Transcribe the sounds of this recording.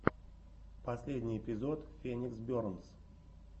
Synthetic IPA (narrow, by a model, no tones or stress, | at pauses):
pɐsʲlʲedʲnʲɪjɪpʲɪzo̞t̪fʲenʲɪksbʲoɾns